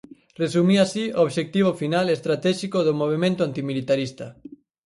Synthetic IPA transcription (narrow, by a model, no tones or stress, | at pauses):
resumiasiooβʃek̚t̪iβ̞ofinalest̪ɾat̪ɛʃikoðomoβ̞emẽnt̪oant̪imilit̪aɾist̪ɐ